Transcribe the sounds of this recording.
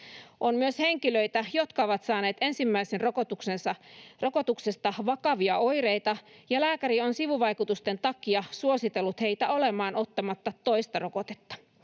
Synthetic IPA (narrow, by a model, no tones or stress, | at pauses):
ʔonmyøshe̞ŋkiløit̪æjo̞t̪kɑoʋɑt̪sɑːne̞ːt̪e̞nsimːæisenrokot̪uksensɑro̞kot̪uksest̪ɑʋɑkɑʋiɑojrejt̪ɑjɑlæːkæɾio̞nsiʋuʋɑjkut̪ust̪e̞nt̪ɑkːˑiɑsuosit̪elːut̪he̞ijt̪æo̞lemɑːnʔo̞t̪ːɑmɑt̪ːɑt̪ːo̞ist̪ɑrokot̪e̥t̪ːɑ̥